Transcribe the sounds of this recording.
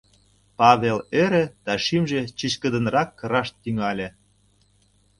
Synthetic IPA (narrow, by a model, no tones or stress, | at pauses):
pɑβʲeleɾĕd̪̥ɑʃimʒĕt͡ɕit͡ɕkə̆d̪ə̆nrɑkːəɾɑʃt̪ːyŋɑlʲĕ